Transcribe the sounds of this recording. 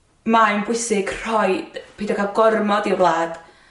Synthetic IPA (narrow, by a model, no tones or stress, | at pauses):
maɨmbʊɨsɪɡ̥r̥ɔjd̥pʰiːdakʰalˠɡɔrmɔdiwlˠaːd̥